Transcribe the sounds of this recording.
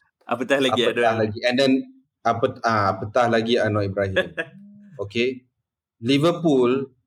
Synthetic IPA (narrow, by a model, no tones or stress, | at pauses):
ʔa̰pət̪ahlaaɡiəahlaɡiɛ̃ndɛn | apətaapət̪ahlaɡianɔʔibɾaɦimoke | livəpul